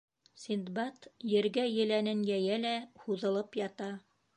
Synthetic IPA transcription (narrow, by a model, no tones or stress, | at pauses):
sʲind̪bɑt̪jɘ̆ɾɡæjɘ̆lænɘnjæjælæhuðɤ̆lˠɤpjɑt̪ɑ